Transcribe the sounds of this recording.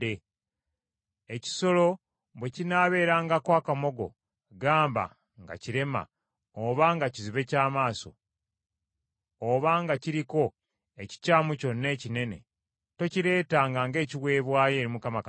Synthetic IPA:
e | eci̥so̞lo̞ | βwecinaβe̞ːɾaːŋɡakwaːkamo̞ɡo̞̰ | ɡaːmba̰ | ŋɡa̰ciɾe̞ma̰ | oβaŋɡaciziβe̞caːmaːso̞̰ | βaŋɡaciɾiko̞ | e̞ci̥caːmuco̞nːe̞ːcine̞ne̞̰ | to̞ciɾe̞ːtaŋɡaŋɡe̞ːciwe̞ːβwaːje̞ːɾimukamak

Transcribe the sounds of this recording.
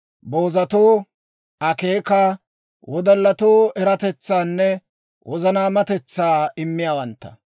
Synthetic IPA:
boːzɐt̪oː | ʔɐkeːkaː | wɔd̪ɐlːɐt̪oːɛɾɐt̪ɛt͡sːaːnːɛ | wʔɔzɐnaːmɐt̪ɛt͡sːaːɪmːɪjaːwɐnt̪ːɐ̥

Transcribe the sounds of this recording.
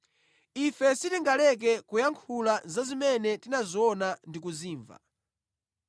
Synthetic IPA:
ifɛsitiŋɡalɛk̬ɛkujaŋkʰulazazimɛnɛtinaziɔnandikuziːɱva̰

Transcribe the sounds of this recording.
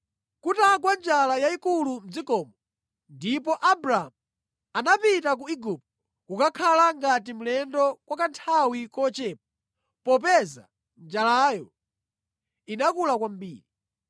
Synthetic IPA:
kutak̬wand͡ʒalajaikulum̩d͡zikɔːmɔ | ndipɔʔabɾaa̰mu | anapitak̬uiɡup̚t̚ | kukakʰalaŋɡat̬im̩lɛndɔkwakantʰawikɔt͡ʃɛːp̚a | pɔp̬ɛza̰ | nd͡ʒalaːjɔ | inakulakwam̩bḭːɾi

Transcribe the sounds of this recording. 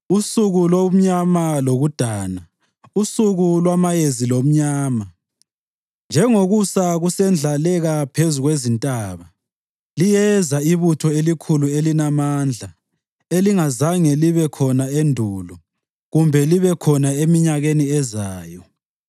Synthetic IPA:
usuɣulom̩ɲamaloɣud̥ʱaːna | usuɣulwamajezilom̩ɲaːma | nd͡ʒʱɛŋoɣusaɣusɛnd͡ɮʱalɛɣapʰezuɣwezintʼaːβa | lijɛzaiβutʰɔelikʰuluelinamaːnd͡ɮʱa | eliŋazaŋɛliβɛkʰɔnaendʱuːlɔ | ɣumbʱɛliβɛkʰɔnaemiɲaɣeniɛzaːjɔ

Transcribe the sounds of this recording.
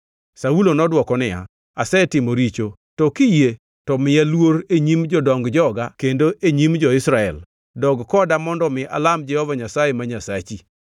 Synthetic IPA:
saulonɔdwɔkɔnɪja̰ | asɛtɪmoɾit͡ʃo | tɔkije | tɔmɪalwoɾeɲimd͡ʒɔdɔŋɡd͡ʒɔɡakendoʔeɲimd͡ʒɔɪsɾaɛ̰l | dɔɡkɔdamɔndɔmɪʔa̰lamd͡ʒɛhɔvaɲasajemaɲasat͡ʃi

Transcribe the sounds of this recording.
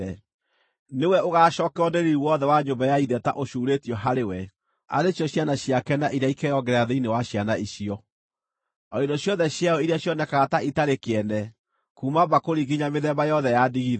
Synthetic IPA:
ɛ | newɛoɣaːʃɔːkɛɔneɾiɾuwɔðɛwaɲombajaiðɛta̰ʔoʃuːɾetiɔɦaɾewɛ | a̰ɾeɕjɔɕjanaɕiakɛnaʔiɾjaikɛjɔɡɛɾaðeinewaɕjanaiɕiɔ | ɔindɔɕjɔðɛɕjaɔiɾeaɕjɔnɛkaɣataitaɾekɛnɛ | kumabakoɾiɡiɲameðɛmbajɔðɛjadiɣið

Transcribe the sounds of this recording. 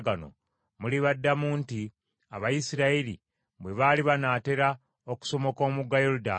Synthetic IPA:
ɡano̞̰ | muliβadːamuːnti | a̰βajisiɾaiɾi | βwe̞βaːliβanaːte̞ɾa | oku̥so̞mo̞ko̞ːmuɡːajoɾuda

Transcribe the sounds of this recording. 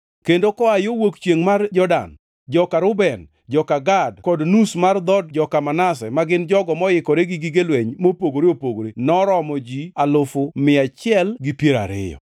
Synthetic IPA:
kendokɔajowokt͡ʃjeŋmard͡ʒɔda̰n | d͡ʒɔkaɾʊbɛn | d͡ʒɔkaɡadkɔdnusmard̪ɔd̚d͡ʒɔkamanas̬ɛmaɡɪnd͡ʒɔɡɔmɔjɪkɔɾeɡɪɡɪɡelweɲmopoɡoɾeopoɡoɾenɔɾɔmɔd͡ʒialʊfʊmɪat͡ʃɪɛlɡipjeɾa̰ɾɪ̰jɔ̰

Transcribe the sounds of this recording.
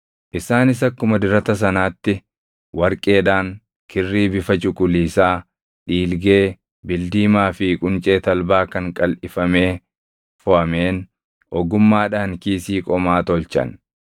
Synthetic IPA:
ʔɪsaːnɪsɐkːʊmɐd̪ɪɾɐt̪ɐs̬ɐnaːt̪ːɪ | wɐɾkʼe̞ːᶑaːŋ | kʰɪrːiːbɪfɐt͡ʃʊkʼʊliːsaː | ᶑiːlɡe̞ː | bɪld̪iːmaːfɪkʼʊnt͡ʃʼe̞ːt̪ɐlbaːkɐŋkʼɐlʔɪfɐme̞ː | fɔʔɐmeːn | ʔɔɡʊmːaːᶑaːŋkiːsiːkʼɔmaːt̪ɔlt͡ʃɐ̰n

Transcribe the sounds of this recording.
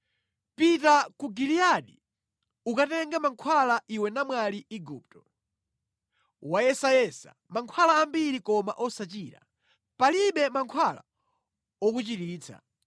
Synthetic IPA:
pitakuɡiliaɗi | ukatɛŋɡamaŋkʰwalaʔiwɛnamwaliiɡuːp̚tɔ̥ | wajɛsajɛsa̰maŋkʰwalaːmbiɾikɔma̰ʔɔsat͡ʃiːɾa̰ | paliɓɛmaŋkʰwala̰ | ɔk̬ut͡ʃitiːt͡sʰa̰

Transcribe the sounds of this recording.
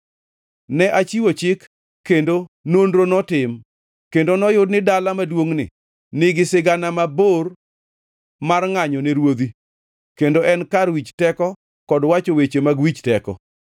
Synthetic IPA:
nɛʔat͡ʃiwot͡ʃɪkː | endonondɾonɔtɪm | kendonɔjʊdnɪdalamadwoŋnɪ̰ | nɪɡɪsɪɡanamabor | marŋaɲɔneɾwod̪i | kendoʔɛnkarwit͡ʃtɛkɔ | kɔdwat͡ʃowet͡ʃemaɡwit͡ʃtɛkɔ̰

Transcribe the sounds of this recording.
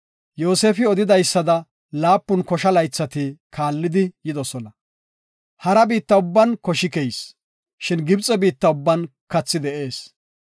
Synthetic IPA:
joːseːfɪɔd̪ɪd̪ɐjsːɐd̪ɐ | laːpːʊnkɔʃɐlɐjt͡sːɐt̪ɪkʰaːlːɪd̪ɪjɪd̪ɔsɔnɐ | hɐɾɐbiːt̪ːɐʊbːɐnkɔʃɪkɛjs | ʃɪnɡɪbt͡sʼɛbiːt̪ːɐʊbːɐnkɐt͡sːɪd̪ɛʔe̞ːs

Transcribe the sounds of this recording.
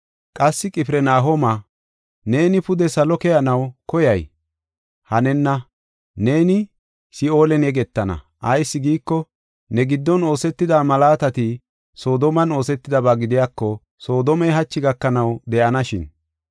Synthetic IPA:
kʼɐsːɪkʼɪpɾɛnaːɦomɐ | ne̞ːnɪpʊd̪ɛsɐlɔkɛjɐnɐwkɔjɐj | hɐnɛnːɐ | ne̞ːnɪ | sɪo̞ːlɛnɛɡɛt̪ːɐnɐ̰ | ʔɐjsːɪɡiːkːɔ | nɛɡɪd̪ːɔno̞ːsɛt̪ːɪd̪aːmɐlaːt̪ɐt̪ɪ | so̞ːd̪ɔmɐno̞ːsɛt̪ːɪd̪ɐbaɡɪd̪ɪjakːɔ | so̞ːd̪ɔmɛjɦɐt͡ʃːɪɡɐkːɐnɐwd̪ɛʔɐnɐʃɪn

